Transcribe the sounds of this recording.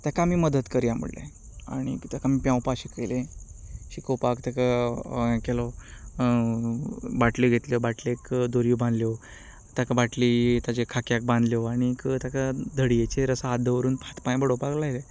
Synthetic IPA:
t̪jakamiːməd̪ət̪kəɾijamṵɽlḛ | a̰ɽ̃ḭt̪akamiːpjãwpaɕikelẽɕikopakt̪aka | kɛlɔ | baʈliɡʱet̪ljobaʈlekd̪oɾijubãnd̪ljo | t̪jakabaʈlit̪jat͡ɕekʰakjak̚bãnd̪ljɔaɽ̃ikt̪jakad̪ʱəɽiet͡ɕeɾəsaːd̪ʱəʋəɾuːnpʰat̪pãjbəɽopaklajle

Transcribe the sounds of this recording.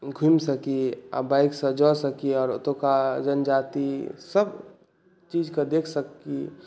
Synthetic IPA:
ɡʱumsəkia̰baɪksə̃d͡ʒɔsəkiɔːɾo̰t̪õkad͡ʒənd͡ʒaːt̪isəb | t͡ʃiːd͡ʒkad̪eːkʰsəkːi

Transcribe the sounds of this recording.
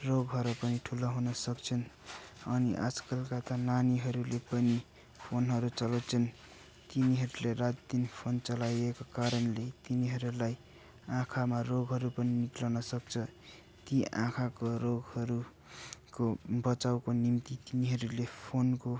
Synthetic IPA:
roɡɦʌɾopʌniʈʰulʌɦunʌsʌkt͡sʰʌnʌniʔa̰d͡zkʌlkat̪ananiɦʌɾulepʌni | pʰonɦʌɾut͡sʌlʌt͡sʰʌn | t̪iniɦʌɾuleɾat̪d̪inpʰont͡sʌlajekokaɾʌnlet̪iniɦʌɾulaj | ãkʰamaroɡɦʌɾupʌniniklawnʌsʌk̚t͡sʰʌ | t̪iʔã̰kʰakoɾoɡhʌɾu | kobʌt͡sawkonimt̪it̪iniɦʌɾulepʰonko

